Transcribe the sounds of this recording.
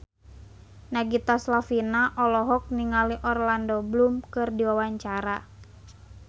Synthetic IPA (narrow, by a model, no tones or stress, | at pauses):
naɡit̪aslafinaʔɔlɔɦɔk̚niŋaliʔɔrlandɔblumkɨrdiwawaɲt͡ʃaɾa